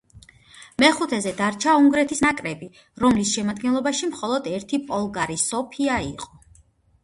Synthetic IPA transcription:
mɛχut̪ʰɛzɛd̪aɾt͡ʃʰauŋɡɾɛt̪ʰisnakʼɾɛbi | ɾɔmlisʃɛmad̪̚ɡɛnlˠɔbaʃimχɔlˠɔd̪ɛɾt̪ʰipʼɔlˠɡaɾisɔpʰiaiqʼɔ

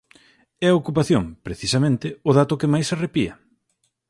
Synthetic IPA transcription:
ɛɐokupaθjoŋpɾeθisɐmẽnt̪ɪʊðat̪ʊkɪmajserepiɐ̰

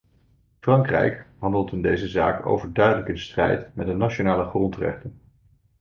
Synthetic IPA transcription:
frɑŋkrɛ̰jkɦɑndəlˠtɪndejzəza̰ːko̰wvəɹdœɥdələkɪnstrɛ̰jtmɛdənat͡ʃonaːləχrɔntrɛ̰χtən

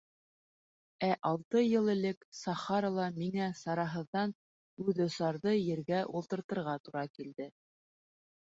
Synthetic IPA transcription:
æʔɑlˠt̪ɤjɤlˠɘ̆lɘksɑχɑɾɑlˠɑmiŋæsɑɾɑɦɤ̆ðːɑn | ʉðŏsɑɾðɤjɘ̆ɾɡæʔulˠt̪ɤ̆ɾt̪ɤ̆ɾʁɑt̪uɾɑkild̪ɘ

